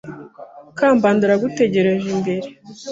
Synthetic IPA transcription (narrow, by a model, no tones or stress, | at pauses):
kaːmbaːnduɾaɡute̞ɟe̞ɾe̞ʒimbe̞ɾe